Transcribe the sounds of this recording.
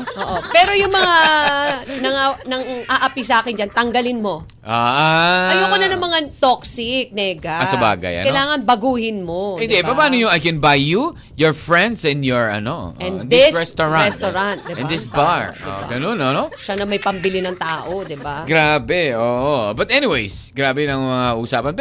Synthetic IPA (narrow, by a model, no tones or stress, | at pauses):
ʔoːʔopɛːɾo̞jʊŋmɐŋa | nɐŋanɐŋʔaʔɐpisɐʔaːkɪnd͡ʒɐnt̪ɐŋɡɐlɪnmo̞ | ʔaʔaɐjoːkɐnɐnɐmɐŋat̪oksɪk̚nɛːɡɐɐsɐba̰ːɡɐ̰jʔɐ̰nkɐjlaːŋɐnbɐɡuːhɪnmo̞ɪnd̪ɛpɐpaːnojoɐjkɛnbajːu | jɔɹfɹɛ̃nd̪sɛ̃nd̪jɔɹʔɐ̰noʔʔɛ̃nd̪ɪsɹɛst̪oɹast̪oɹɐnt̪̚d̪ɪɛ̃nd̪ɪsbbaɹo̰ɡɐnononoʃanɐmɐjpɐmbɪlɪnɐŋt̪aːʔod̪ɪbaɡɾaːbɛʔoːʔobɐt̪ʔɛniwejsɡɾaːbɛnɐŋmɐŋaɐʔusaːpɐnp